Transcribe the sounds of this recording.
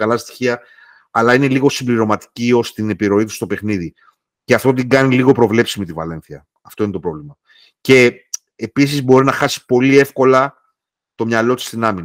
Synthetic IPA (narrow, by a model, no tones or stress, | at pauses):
kɐlɐst̪i̥çiɐ | ɐlɐine̞liɣo̞simbliɾo̞mɐt̪i̥cio̞st̪ine̞piɾo̞it̪u̥st̪o̞pe̞xniði | ceɐft̪o̞t̪̬iŋɡɐniliɣo̞pɾo̞vle̞psimit̪ivɐle̞nθiɐ | ɐft̪o̞inet̪o̞pɾo̞vlimɐ | ce̞ | epis̬izbo̞ɾinɐxɐsi̥po̞lie̞fko̞lɐ | t̪o̞mɲɐlo̞t̪i̥st̪inɐmin